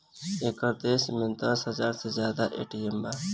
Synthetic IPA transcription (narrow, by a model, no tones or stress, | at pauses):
eːkəɾd̪eːsmẽnd̪əsɦəzaːɾsezjaːd̪aːʔḛːʈijembaː